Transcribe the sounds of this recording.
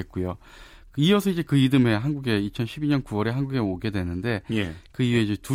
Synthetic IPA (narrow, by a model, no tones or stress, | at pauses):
et̚k͈ujo | kɯiʌsʰʌid͡ʑe̞kɯidɯme̞ɦanɡuɡe̞it͡ɕʰʌnɕʰibiɲʌnkuwʌɾe̞ɦanɡuɡeoɡe̞dwe̞nɯnde̞jekɯiwe̞id͡ʑetu